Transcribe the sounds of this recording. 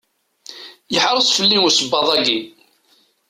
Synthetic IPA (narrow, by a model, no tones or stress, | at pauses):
jəħɾˤəsˤfəlːinusəbːɑðˤæɡi